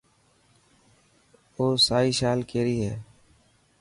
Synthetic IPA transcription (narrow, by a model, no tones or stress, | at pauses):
oːsaːiːʃaːlkeːɾiːɦɛː